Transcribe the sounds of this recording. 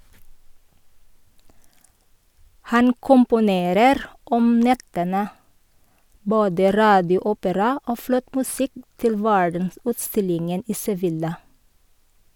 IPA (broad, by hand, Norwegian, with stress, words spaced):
ˈhɑn kʊmpʊˈneːɾəɾ ˈɔm ˈnɛtənə ˈboːdə ˈɾɑːdɪʊˌuːpəɾɑ ˈoː ˈflɔt mʉˈsɪk ˈtɪl ˈʋæɹdənˌsʉːtˌstɪlɪŋən ˈiː sɛˈʋɪlɑ